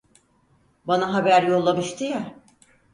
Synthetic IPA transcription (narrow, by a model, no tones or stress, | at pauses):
banaɦabæɾjolˠːamɯʃt̪ʰija